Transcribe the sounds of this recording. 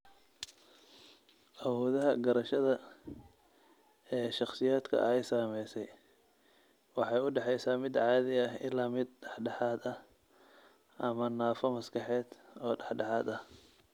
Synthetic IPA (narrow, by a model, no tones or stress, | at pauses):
ʔɐwɔːðɐɦɐɡɐɾɐʃɐðɐ | ɛːʃɑχsɪjaːd̪kʰɐ̰ʔɛjsaːmɛjsɛj | wɑħɑjʊɖɑħɛjsaːmɪd̪ʕɑːðɪɐɦɪlaːmɪd̪̚ɖɑħɖɑħɑːd̪ɐh | ʔɐmɐnaːfɔmɐskʰɑħɛːd̪ɔːɖɑħɖɑħɑːd̪ɐh